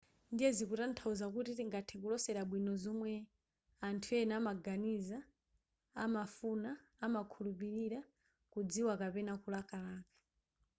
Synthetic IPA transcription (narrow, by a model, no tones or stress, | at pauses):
ndijɛzikutantʰauzakutitiŋɡatʰɛkulɔsɛɾaɓwinɔzɔmwɛ | antʰuɛnamaɡaniza̰ː | mafunaːmakʰulupiɾiɾa | kud͡ziwakapɛnakulakalaːkḁ